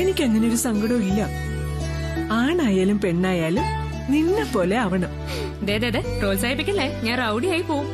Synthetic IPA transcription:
e̞nikʲːe̞ŋːɐneoɾusɐŋɡɐɽɐmilːɐ | aːɳaːjaːlumpe̞ɳːaːjaːlum | ninːepːo̞ːle̞ɐʋɐɳɐm | d̪eːd̪eːd̪eproːlsaːjip̬ikʲːɐlːeɲaːnrɐwɽijaːjipoːɣum

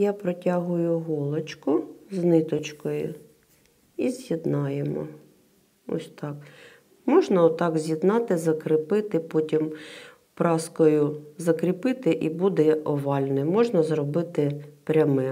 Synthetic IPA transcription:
jɑpɾɔtʲɑɦʊjʊɦɔlˠɐt͡ʃkʊznɪt̪ɔt͡ʃkɔjʊ̰ | izʲjid̪nɑjemɔ̰ | ɔ̰sʲt̪ɑk | mɔʒnɐt̪ɑɡzʲjid̪nɑt̪ɪzɐkɾɪpɪt̪ɪpɔtʲim | pɾɑskɔjʊzɐkɾʲipɪt̪ɪʔibud̪ɛʔɔʋɑlʲnɔjmɔʒnɐzrɔbɪt̪ɪpɾʲɐmɛ

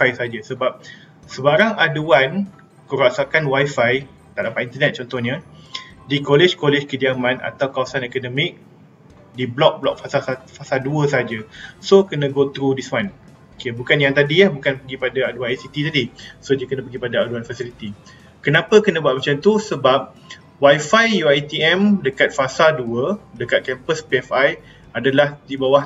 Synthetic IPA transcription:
ajsaad͡ʒasəbap̚ | səbaɾaŋaduan | kəɾasakanwajfaj | t̪aʔdapat̪int̪ənɛt̪̚t͡ʃɔnt̪ɔhɲə | dikoled͡ʒkolɛd͡ʒkədiamãna̰t̪awkawasanɛkonɔmɪk̚ | diblɔk̚blɔk̚fasalafasalduəsaad͡ʒasokənə̃ɡot̪ɾudiswan | okebukanjaŋt̪adiahbukanpəɡipadaaduaajsit̪it̪adisodiəkənə̃pəɡipadaaduanfasilit̪i | kənãpəkənə̃buat̪̚mat͡ʃamt̪usəbap̚ | wajfajjuajt̪iɛmdəkat̪̚fasalduədəkat̪̚kɛmpəspeɛfaj | adalahdibawah

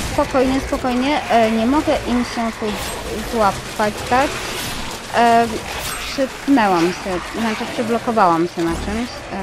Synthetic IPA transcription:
spɔkɔjɲɛspɔkɔjɲɛʔɲɛmɔɡɛʔimɕɛt̪u | zwapː | at͡ɕt̪ak | pʂɛt̪nɛwamɕɛzat͡ʂɛpʂɛblɔkɔvawamɕɛnat͡ʂɛmɕ

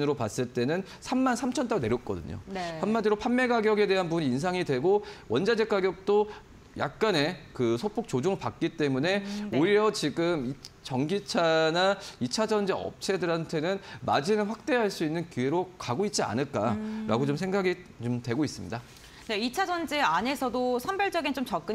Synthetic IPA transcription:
nɯɾopas͈ɯɭt͈e̞nɯn | sʰamːansʰamt͡ɕʰʌnt͈aɾone̞ɾjʌt̚k͈ʌ̰dɯ̰ɲo̰pʰanmadiɾopʰanme̞ɡaɡjʌɡe̞de̞ɦanpuɲiːns̬ʰaŋidwe̞ɡowʌnd͡ʑad͡ʑe̞k̚k͈aɡjʌk̚t͈o | ja̰k̚k͈ane̞kɯsʰopʰok̚t͡ɕod͡ʑoŋɯɭpak̚k͈it͈e̞mune̞oiɾjʌt͡ɕiɡɯmit͡ɕʌŋɡit͡ɕʰanait͡ɕʰad͡ʑʌnd͡ʑeʌ̰p̚t͡ɕʰe̞dɯɾɦantʰe̞nɯnmad͡ʑinɯnɸwak̚t͈e̞ɦaɭs͈uinːɯnkuɦe̞ɾokaɡoit̚t͡ɕ͈ia̰nɯɭ̚k͈aɾaɡot͡ɕomsʰeŋɡaɡit͡ɕomtwe̞ɡois͈ɯmɲḭda | neit͡ɕʰad͡ʑʌnd͡ʑeane̞sʰʌdosʰʌmbjʌɭt͡ɕʌɡint͡ɕomt͡ɕʌk͈ɯ

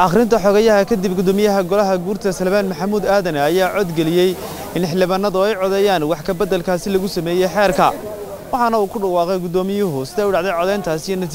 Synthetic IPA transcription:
ʔɐχɾɪnt̪ʰɐħɔɣɐjɐɦɐkʰɐd̪ibɡʊd̪ɔːmɪjɐɦɐɡɔlɐɦɐɡuːrt̪ʰɐsɐlβaːnmɐħɑmuːd̪aːðɐnɛɐjaːʕɔd̪ɡɛlɪjɛj | ɪnɪħlɪβaːnːɐðʊɛjʕɔðɛjaːnwɑħkʰɐbɐd̪ɐlkʰaːsɪlɐɣʊsɐmɛːjɛjħɛːrkʰɐ̰ | wɑħɑnɐuːkʰʊɖɑwɑːqɛjɡʊd̪ɔːmɪjʊɦʊsɪðɛːjʊɖɑʕðɛjʕɔðɛjnt̪ʰaːsijɐnɐi

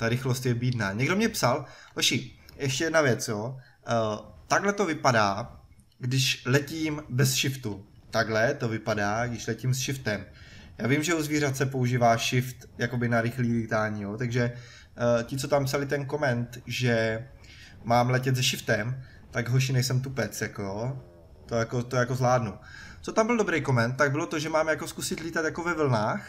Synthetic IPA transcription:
t̪aɾɪxlost̪jɛbiːdnaːɲɛɡdomɲɛpsalɦoʃɪjʔɛʃcɛjɛdnavjɛt͡sjoː | t̪aɡlɛt̪o̞vɪpadaː | ɡdɪʃlɛciːmbɛsʃɪft̪u | t̪aɡɦlɛt̪o̞vɪpadaːɡdɪʃlɛciːmsʃɪft̪ɛmjaːvɪmʒɛuzviːrat̪t͡sɛpo̞uʒiːvaːʃɪft̪jako̞bɪnaɾɪxliːliːt̪aːɲijot̪aɡʒɛ | cɪt͡so̞t̪ampsalɪt̪ɛnko̞mɛnt̪ʒɛ | maːmlɛcɛt̪zɛʃɪft̪ɛm | t̪aɡɦoɾʃ̬iːnɛjsɛmt̪upɛt͡sjakojo | t̪ojakot̪ojako̞zlaːdnut͡so̞t̪ambɪldo̞bɾejko̞mɛnt̪ːaɡ̚bɪlot̪oʒɛmaːmjakoskusɪt̪liːt̪at̪jakovɛvl̩naːx

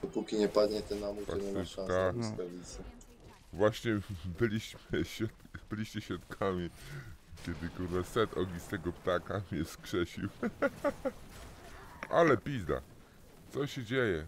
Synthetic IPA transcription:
d̪ɔpukʲiɲɛpad̪ɲɛt̪ɛnamup̪aɔɲɛmɛsʂãk̪saskavʲit̪sɛ | vwaɕɲɛbɘlʲiɕmɘɕɔt̪bɘlʲiɕt͡ɕɛɕʲɔt̪kʰamʲi | kʲɛd̪ɘkuɾnɛsɛt̪ɔɡʲist̪ɛɡɔpt̪akamɲɛskʂɛɕiw | ʔalɛpʲizd̪a̰ | t̪sɔɕɛd͡ʑejɛ

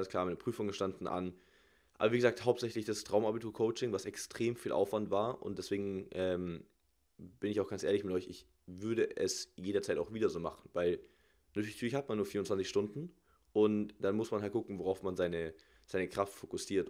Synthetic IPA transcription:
alnsklaːɐmaɪnəpʁ̥yːfʊŋəʃtandn̩ʔa̰n | ʔa̰bɐviːɡəzaːkthaʊp̚tz̥ɛçlɪçd̥astʁ̥aʊmabitʰuːɐkʰoʊt͡ʃɪŋvasɛkstʁ̥eːmfiːlʔa̰ʊfv̥antv̥aːɐʔʊ̰ntdɛsv̥eːɡŋ̩ʔɛːm | b̥ɪnɪçaʊxɡ̥ant͡sʔeːɐlɪçmɪtʔɔʏçɪç | vʏɐɾəʔɛsjeːɾɐt͡saɪtaʊxv̥iːdɐzoːma̰χn̩vaɪl | natʰyɐlɪçtʰyɐlɪçhatmanːuːɐfiːɐʊntt͡sv̥ant͡sɪçʃtʊndn̩ | ʔʊntd̥anmʊsmanɦalt̚ɡ̥ʊkŋ̩voʁaʊfmanzaɪnə | z̥aɪnəkʁ̥aftfokʊsiːɐt

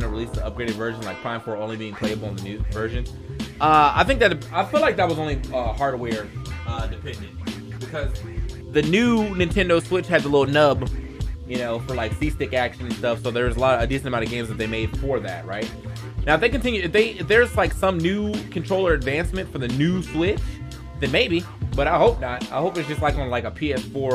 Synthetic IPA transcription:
nɨɹilisðiʌp̚ɡ̥ɹeɪɾɨdvɜ˞ʒɨ̃n̩laɪk̚pʰɹ̥ãɪ̃ɱfə˞õʊ̃nlibiɪ̃ŋpʰl̥eɪɨbl̩ˠə̃nðɨnʉvɜ˞ʒɨ̃n | ʔʌa̰ɪθɪ̃ŋk̚ðɨɾaɪfilˠlaɪk̚ðɨt̚wʌzõʊ̃nliʌhɑɹɾəwɛɹʌdɨpʰɛ̃ndɨ̃nt | b̥ɨkʰʌz | ðɨnʉnɨ̃ntʰɛ̃ndoʊswɪt͡ʃhɨd̪̚ðəlɪɾl̩ˠnʌbjɨnoʊfə˞laɪksistɪkækʃɨ̃ñn̩stʌfsoʊðə˞zəlɑɾʌɨdɪsɨntɨmãnʌvɡẽɪ̃mzðɨt̪̚ðeɪmeɪd̥fə˞ðæ̰t̚ɹaɪt̚ | naʊðeɪkɨ̃ntʰɪ̃njʉðeɪðə˞zlaɪksʌ̃mnʉkʰɨ̃n̩tʰɹ̥oʊlˠə˞ɨdvæ̃nsmɨ̃ntfə˞ðɨnʉswɪt͡ʃ | ðɨ̃nmeɪbi | b̥ʌɾaɪhoʊp̚nət̚a̰ɪhoʊp̚ɨtzd͡ʒʌst̚ˡlaɪkŋə̃n̩laɪkəpʰiɛsfɔɹ

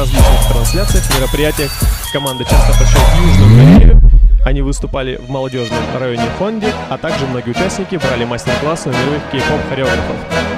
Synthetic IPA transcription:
ɐzʲlʲit͡ɕnɨxt̪ɾɐnsʲlʲat̪sɨjəxmʲɪɾəpɾʲɪjætʲɪjəxkɐmand̪ɨt͡ɕast̪əpɐɕajuʐnəmmʲɪɾʲeɪ̰ɪɐnʲivɨst̪ʊpalʲɪvmɐlˠɐdʲo̞ʐnəmrɐjo̞nʲɪfo̞ndʲɪɐt̪aɡʐɨmno̞ɡʲɪʊt͡ɕæsʲnʲɪkʲɪbɾalʲɪmasʲtʲɪrklˠasnɐmʲɪɾujɪxkʲɪjɪkofxɐɾʲɪoɡɾəfə̰f

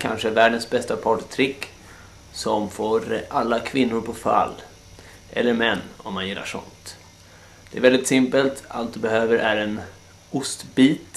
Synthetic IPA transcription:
kʰa̰nʂəvæːɖənsbɛst̪apʰɑʈt̪ʰɾɪkː | sɔmfoːɾʔalːakʰvɪnːʊɾpʰɔfa̰lː | ʔɛ̰lːəɾmɛnːɔ̰mːanjɪlːa̰ʂɔ̰nt̪ | d̪̥ɛæːɾvɛld̪ɪt̪sɪmpəlt̪a̰lt̪̚d̪ɵbɛhøːvəɾʔæɾɛn | ʊst̪biːt̪

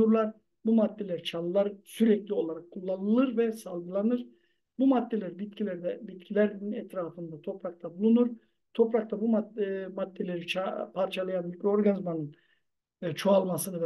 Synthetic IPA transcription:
uɾlˠaɾ | bumad̪ːe̞lʲæɾit͡ʃʰalˠɯlˠaɾsyɾɛclʲio̞lˠaɾakʰːulˠːanɯlˠɯɾvɛsalˠɡɯlˠanɯɾ̥ | bumad̪ːe̞lʲæɾibit̪̚cʰilʲæɾd̪ɛbit̪cʰilʲæɾninɛt̪ɾaːfɯnd̪at̪ʰo̞pɾak̚t̪ʰabulˠunuɾ | t̪ʰo̞pɾakt̪ʰabummad̪ːe̞lʲe̞ɾit͡ʃʰapʰaɾt͡ʃʰalˠajanmicɾʲooɾɡanizmanɯn | t͡ʃʰoalˠmasɯnɯvɛ

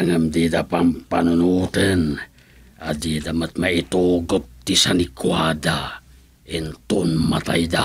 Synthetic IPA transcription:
aŋəmdidapampanunut̪ən | adidamət̪̚mait̪oɡot̪ːisanikuada | int̪unmat̪a̰ida

